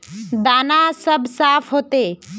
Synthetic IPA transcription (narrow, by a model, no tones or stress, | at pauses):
d̪aːnasɐbsaːfʰɦoːt̪eː